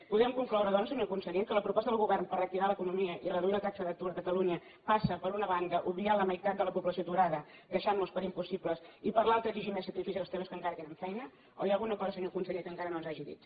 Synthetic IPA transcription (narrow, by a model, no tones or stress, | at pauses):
puðɛmkuŋklɔwɾəðɔnsəɲokunsəʎekələpɾupɔst̪əðəlˠɣuβɛrnpərək̚t̪iβaləkunumiəʔiələðɾət̪at͡ʃəðək̚t̪uɾəkət̪əluɲə | pasəpəɾunəβaŋɡəʔuβlialəməjt̪at̪̚d̪ələpupləsiot̪uɾaðəkəʃanːuspəɾimpusipləsipəɾlalˠt̪ɾəd͡ʒiʒimɛsət̪ifizlˠst̪eməskəŋkaɾət̪enəɱfɛjnə | o̰jalˠɣunəkɔzəsəɲokunsəʎekəŋkaɾənonzaʒiðḭt̪